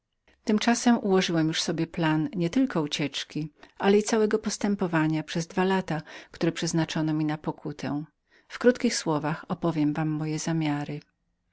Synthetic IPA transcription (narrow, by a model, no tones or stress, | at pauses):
t̪ɘmt͡ʂasɛmuwɔʐɘwɛmjuʂsɔbʲjɛplanɲɛt̪ɘlkɔut͡ɕɛt͡ʂkʲiʔalɛit̪sawɛɡɔpɔst̪ɛmpɔvaɲapʂɛzd̪valat̪akt̪uɾɛpʂɛznat͡ʂɔnɔmʲinapɔkʰut̪ʰɛ̰̃ | fkɾut̪kʲixswɔvaxɔpɔvʲjɛmvamːɔjɛzamʲjaɾɘ